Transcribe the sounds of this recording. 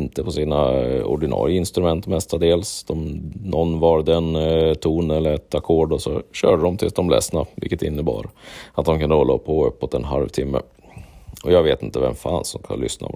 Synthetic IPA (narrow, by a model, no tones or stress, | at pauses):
nt̪əpʰɔsiːnaɔ̰ɖɪnɑ̰ːɾɪəɪnst̪ɾɵmɛnt̪mɛst̪ad̪eːlsd̪̥ɔmnɔnːvɑːɾd̪ɛnt̪ʰuːnɛlːəɾɛt̪akʰoːɖɔsɔɕœːɖəd̪ɔmt̪ʰɪsd̪ɔmlɛ̰snavɪ̰kːət̪ɪ̰nːəbɑ̰ːɾəat̪̚d̪ɔmkʰɵnd̪əɔlːapʰːɔœpːɔt̪ɛnɦalvt̪ʰɪmːə̰ | ɔjɑːɡveːt̪ɪnt̪əvɛmfansdɔmkʰa̰nlʏ̰sna̰